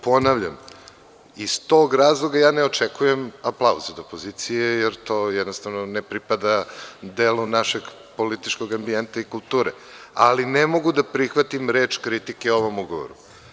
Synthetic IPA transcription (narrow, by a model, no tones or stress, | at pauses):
po̞naʋʎam | ist̪o̞ːɡɾaːzlˠoɡajaːneot͡ʃekujemaplˠauzud̪opozit̪sijejeɾt̪o̞ːjɛd̪nost̪avnonepɾipad̪ad̪eːlunaʃeɡ | po̞lit̪it͡ʃko̞ɡambient̪aikulˠt̪uːɾe | alinemo̞ɡud̪apɾixʋat̪imɾeːt͡ʃkɾit̪ikeoʋo̞muɡo̰ʋo̰ɾu